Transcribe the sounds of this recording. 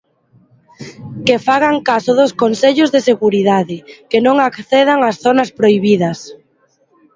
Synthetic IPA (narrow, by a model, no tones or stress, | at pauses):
kefaɣaŋkasʊðoskonseʎʊzðeseɣuɾiðaðɪkenõŋakθeð̞aŋasθonɐspɾoijβiðɐs